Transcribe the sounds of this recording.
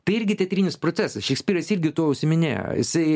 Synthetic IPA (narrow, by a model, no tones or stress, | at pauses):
t̪ɐɪɪɾʲɡʲɪt̪ʲɛt̪ʲɾʲiːnʲɪspɾosʲæsɐsʃʲɪksʲpʲiːɾɐsɪɾʲɡʲɪt̪uɔʊʃʲsʲɪmʲɪnʲḛːjo̰jɪ̰sɐɪ